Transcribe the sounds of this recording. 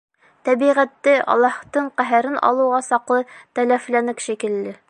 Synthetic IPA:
t̪æbiʁæt̪ːɘʔɒ̰lˠːɑht̪ɤɴqæɦæɾɘnʔɒ̰lˠɤ̆wʁɑsɑqlˠɤt̪ælæflænɘkʃækɘ̆lːɘ

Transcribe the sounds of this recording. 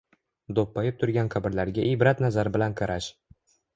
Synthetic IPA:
d̪opːajɪp̚t̪ʰʊɾɡʲanqʰɑbɪɾlaɾɡʲaʔibɾat̪nazaɾɪbɪlanqʰɑɾaʃ

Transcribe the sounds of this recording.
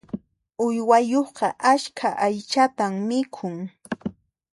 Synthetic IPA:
ʊjwajoχqɑʔaʃkʰaʔajt͡ʃat̪ammɪkʰʊŋ

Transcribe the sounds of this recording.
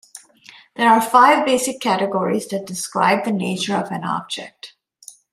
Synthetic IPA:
ðə˞afaɪvbeɪsɨkʰːæɾɨɡɔɹizðɨt̚d̥ɨskɹa̰ɪb̚ðɨneɪt͡ʃə˞ʌvɨ̃nɑ̰b̚d͡ʒɛ̰k̚t

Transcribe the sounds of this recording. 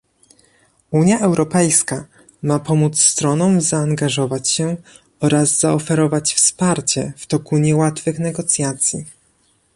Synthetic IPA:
uɲjaʔɛwɾɔpɛjska | mapɔmut̪sst̪ɾɔnɔmzaːŋɡaʐɔvat͡ɕɕɛ | ɔɾazzaɔfɛɾɔvat͡ɕfspaɾt͡ɕɛft̪ɔkuɲɛwat̪fɘxnɛɡɔt̪sʲjat̪sʲji

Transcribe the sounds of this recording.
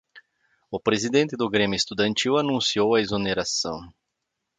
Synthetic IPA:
ʊpɾezid̪ẽnt̪ɪd̪ʊɡɾẽmʲjʊest̪ud̪ɐ̃nt͡ʃ̪iwanũsiowɐezoneɾasɐ̰̃w̃

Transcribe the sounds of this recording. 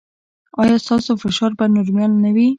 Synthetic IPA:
ɑjɑst̪ɑsofɪʃɑɾbanʊɾmjɑlnawi

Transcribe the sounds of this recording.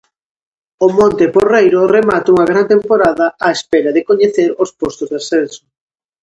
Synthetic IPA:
ʊmõnt̪ɪporejɾʊremat̪ouŋɐɣɾant̪empoɾaðɐaespɛɾɐðɪkoɲeθeɾospost̪ozðasɛnsʊ̥

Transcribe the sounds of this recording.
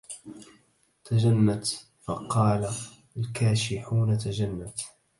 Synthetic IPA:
t̪ad͡ʒanːat̪ | fɑqɑːla | lkaːʃɪħuːnat̪aʒanːat̪

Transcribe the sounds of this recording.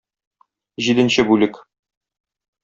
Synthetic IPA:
ʑid̪ɘ̆nɕɘbʉlɘk

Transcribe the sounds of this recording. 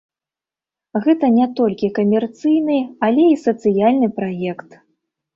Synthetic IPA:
ɣɛt̪ɐnʲɛt̪ɔlʲkʲikɐmʲɛrt̪sɨjnɨalʲɛisɐt̪sɨjalʲnɨpɾajɛkt̪

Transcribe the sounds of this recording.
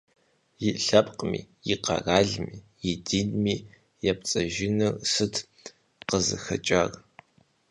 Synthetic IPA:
jɪɬɐpʼqʼmḭːjiqɐ̰raːɮmiː | jɪdiːnmiː | jɛp̚t͡sʼɐʒɪnɨrsɨtʰ | qəzɨ̰xɐ̰t͡ʃʼɐr

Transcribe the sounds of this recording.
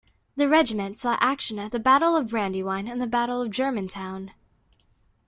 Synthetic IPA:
ðɨɹɛd͡ʒɨmɨ̃ntsɔʔækʃɨ̃nɨt̪̚ðɨbæɾl̩ˠʌvbɹæ̃ndiwãɪ̃nɨ̃nðɨbæɾl̩ˠʌvd͡ʒɜ˞mɨ̃ntʰãʊ̃n

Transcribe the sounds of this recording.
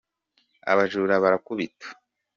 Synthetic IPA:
a̰βaʒuɾaβaɾakuβitḁ

